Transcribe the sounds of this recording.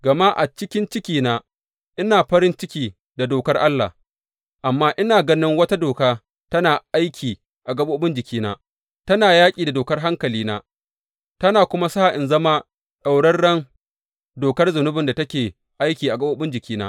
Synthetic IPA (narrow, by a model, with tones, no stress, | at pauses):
ɡɐ˨maː˦ʔa̰˨t͡ʃɪ˦kʲɪ˦nt͡ʃɪ˦kʲiː˨naː˦ | ʔɪ˦naː˨ɸɐ˦ɾɪ˦nt͡ʃɪ˦kʲiː˨ | da˨doː˨kɐ˦rʔa˦lːa̰˨h | ʔa˨mːaː˦ʔɪ˦naː˨ɡɐ˦nɪ˦ŋwɐ˦ta˦doː˨kaː˦ | tɐ˦naː˨ʔa˦jkʲʰiː˨ | ʔa˨ɡɐ˦boː˦bɪ˦nd͡ʒɪ˨kʲiː˦na̰ː˦ | tɐ˦naː˨jaː˦kʲʼiː˨da˨doː˨kɐ˦rɦa˦ŋkɐ˨liː˦na̰ː˦ | tɐ˦naː˨kʷʊ˦ma˦sa˦˨ʔɪ˨nzɐ˦ma˦ | ɗa˨wɽɐ˦rɽɐ˦ŋ | doː˨kɐ˦rzʊ˨nʊ˦bɪ˨nda˨tɐ˦kʲeː˨ | ʔa˦jkʲiː˨ʔa˨ɡɐ˦boː˦bɪ˦nd͡ʒɪ˨kʲiː˦na̰ː˦